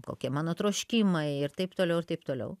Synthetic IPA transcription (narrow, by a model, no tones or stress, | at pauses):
ko̰ːkʲiɛmɑːnoːt̪ɾoːʃʲkʲiːmɐɪɪrt̪ɐɪpt̪oːlʲɛʊɪɾt̪ɐɪp̚t̪oːlʲɛ̰ʊ